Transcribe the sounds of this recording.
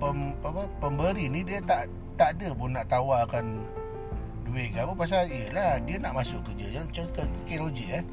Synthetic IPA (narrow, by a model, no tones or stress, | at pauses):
pəmapəpəmbəɾinidiət̪aʔ | t̪aʔdəbunaʔt̪awakan | duekabupas̬ailahdiənaʔmasʊʔkəd͡ʒad͡ʒaŋt͡ʃɔŋt̪əkilod͡ʒiʔa